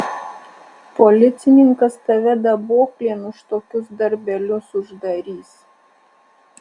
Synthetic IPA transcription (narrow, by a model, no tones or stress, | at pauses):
pɔlʲɪt̪sʲɪnʲɪŋkɐst̪ɐʋʲɛd̪ɐboːklʲeɛnʊʃt̪oːkʲʊsd̪ɐɾʲbʲɛlʲʊsʊʒd̪ɐɾʲiːs